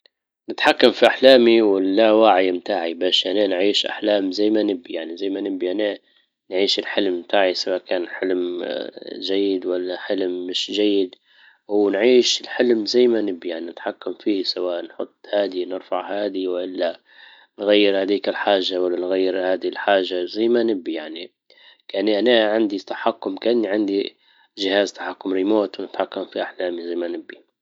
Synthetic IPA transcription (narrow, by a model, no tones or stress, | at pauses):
nɪt̪ħakːamfiʔaħlaːmiwɪːawaʕɪjmt̪aːʕibaːʃʔananʕiːʃʔa̰ħlaːmzajːmanɪbːijaʕnizajːmanɪbiʔana | nʕiːʃɪlħɪlmːt̪ʰaːʕisawaːʔkaːnħɪlm | ʒajːɪd̪walːaħɪlmːɪʃʒajːɪd̪ | wnʕiːʃɪlħɪlmzajːmanɪbijaʕninɪt̪ħakːamfiːsawaːʔnħʊt̪ˤːhaːd̪inɪɾfaʕhaːd̪iwʔɪlːa | nɣajːɪɾhaːd̪iːkɪlħaːʒːawalːanɣajːɪɾhaːd̪iɪlħaːʒːazajːmanɪbːijaʕni | kaʔanːiʔanaʕɪnd̪it̪ḁħakːʊmkaʔanːiʕɪnd̪i | ʒɪhaːzt̪ḁħakːʊmɾimoːt̪wnɪt̪ħakːamfiʔaħlaːmizajmanɪbːi